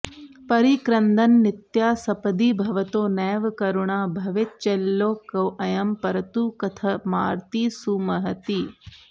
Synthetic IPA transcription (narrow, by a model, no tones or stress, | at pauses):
pɐɾikɾɐnd̪ɐnːɪt̪jaːsɐpɐd̪iːbʱɐʋɐt̪oːnɛːʋkɐɾuɳaːbʱɐʋɪt̪̚t͡ʃelːoːkɐwʔɐjɐmpɐɾɐt̪uːkɐt̪ʰɐmaːɾt̪iːsumɐɦɐt̪iː